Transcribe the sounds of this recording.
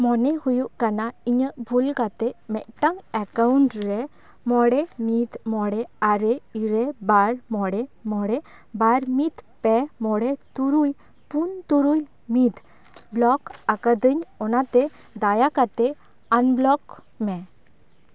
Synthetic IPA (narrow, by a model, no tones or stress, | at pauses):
mɔnɛhujuʔkanaiɲəʔbʱulkat̪ɛʔmɛʔ̚ʈaŋɛkauɳʈɾɛ | mɔɽɛmit̪mɔɽɛaɾɛiɾɛbaɾmɔɽɛmɔɽɛ | baɾmit̪pɛmɔɽɛt̪uɾuj | punt̪uɾuj | mit̪ | blɔkakəd̪əɲɔnat̪ɛ | d̪ajakat̪ɛ | anblɔk | mɛ